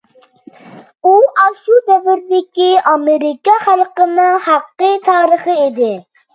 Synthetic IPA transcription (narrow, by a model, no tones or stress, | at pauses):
uʔɑʃud̪ɛvɪɾd̪ɪkʲiɑmeɾɪkɑχælˠqənɨŋhɑqːət̪ʰɑːɾəχɨed̪ɪ